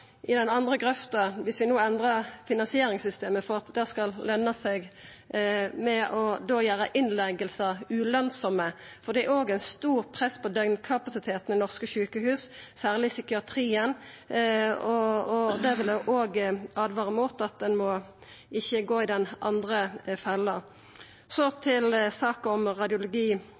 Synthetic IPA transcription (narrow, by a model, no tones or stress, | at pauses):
ʔɪd̪ɛnɑnd̪ʁəkʁɛft̪ɑʋɪsʋɪnuːɛnd̪ʁɑʁfɪnɑnsɪeːɾɪŋsʏst̪eːməfɔʁɑt̪d̪æːʁskɑllœnːɑsɛɡ | mɛʔɔd̪oːjæːʁəʔɪnlɛɡəlsəʉlœnsɔməfɔd̪ɛæɾoːɡæɪnst̪uːʁpʰʁɛsːpʰɔd̪œŋnkʰɑpɑsɪt̪ʰeːt̪n̩ɪnɔʁskəçʉːkəhʉːssæːʁlɪsɪkɪɑt̪ʰʁiːən | ɔɔd̪ɛʋɪljɛʔoːɡɑːd̪ʋɑːʁəmuːt̪ɑt̪̚d̪ɛnmɔ | ɪçːəɡoːɪd̪ɛnʔɑnd̪ʁəfɛlːə | sɔt̪ʰɪlsɑːkɑɔmʁɑd̪ɪʊlʊɡiː